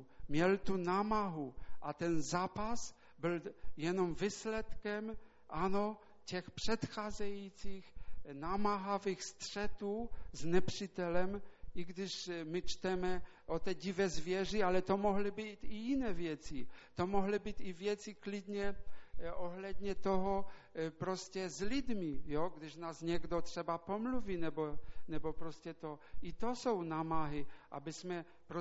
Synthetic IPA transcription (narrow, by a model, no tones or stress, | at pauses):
mjɛlt̪unamaɦuʔat̪ɛnzaːpas | bɪljɛnomvislɛt̪kɛm | ʔano | cɛxpr̥ɛt̪xaːzɛjit͡sixnamaɦavixst̪r̥ɛt̪uːznɛpr̥it̪ɛlɛmʔiɡd̪ɪʃmɪt͡ʃt̪ɛmɛ | ʔot̪ɛɟivɛzvjɛʐialɛt̪omoɦlɪbit̪ijinɛːvjɛt͡sit̪omoɦlɪbit̪ivjɛt͡siklɪd̪ɲɛʔoɦlɛd̪ɲɛt̪oɦɔpɾoscɛzlɪd̪mijoɡd̪ɪʒnaːzɲɛɡd̪ot̪ʂɛbapomluviːnɛbonɛbopɾoscɛt̪oit̪osownamaɦɪʔa̰bɪzmɛ | pɾo